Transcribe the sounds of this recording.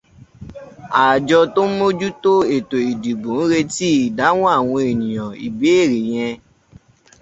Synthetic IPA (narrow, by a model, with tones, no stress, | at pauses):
a˨d͡ʒɔ˧to˦mo˦d͡ʒu˦to˦e˨to˨i˨di˨ɡ͡bũ˨n̩˦ɾe˧ti˦i˨da˨˦w̃ɔ̃˦a˦˨w̃ɔ̃˧e˨nĩ˨jɔ̃˨ḭ˨be˨˦e˦˨ɾi˨j̃ɛ̃˧